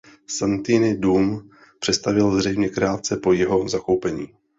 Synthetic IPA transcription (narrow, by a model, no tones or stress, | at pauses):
sant̪iːnɪduːm | pr̝̥ɛtst̪avɪlzr̝ɛjmɲɛkɾaːt͡sɛpo̞jɛɦo̞zako̞wpɛɲiː